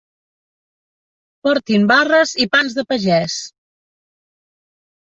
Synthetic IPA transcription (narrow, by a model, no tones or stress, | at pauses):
pɔɾt̪imbarəzipanzðəpəʒɛs